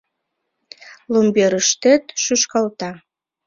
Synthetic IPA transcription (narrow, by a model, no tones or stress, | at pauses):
lumbeɾəʃt̪et̪ʃyʃkɑlt̪ɑ